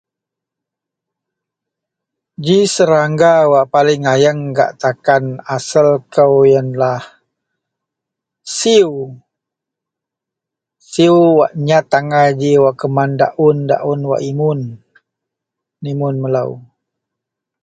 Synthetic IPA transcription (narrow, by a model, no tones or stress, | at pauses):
d͡ʒisəɾaŋɡawaʔpalɪŋajəŋɡa̰ʔt̪akanasəlkəwjənlah | siw | siwwaʔɲat̪aŋad͡ʒiwaʔkəmanda̰ʔʊnda̰ʔunwa̰ʔimʊn | imʊnməla̰w